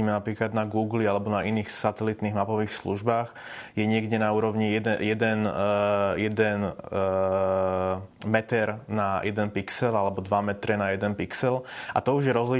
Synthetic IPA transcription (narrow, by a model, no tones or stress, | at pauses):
imɛnapɾiːklad̪naɡuːɡlialɛbɔnainiːxsat̪ɛlit̪niɣmapɔʋiːxsluʒbaːɣ | jɛɲɪɛɡɟɛnauːɾɔʊɲiɛjɛd̪ɛn | jɛd̪ɛn | mɛt̪ɛɾnajʔɛd̪ɛnpiksɛlalɛbɔd̪ʋamɛt̪ɾɛnajɛd̪ɛnpiksɛlʔa̰t̪ɔuʒjɛɾɔzli